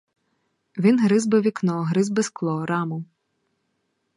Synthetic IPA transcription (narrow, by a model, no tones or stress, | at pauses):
ʋʲinɦɾɪzbɪʋʲiknɔɦɾɪzbɪsklˠɔɾɑmʊ